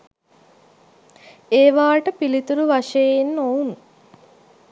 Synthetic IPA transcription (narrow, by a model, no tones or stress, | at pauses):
eːʋaːʈəpilit̪uɾuʋaʂɐjenːoun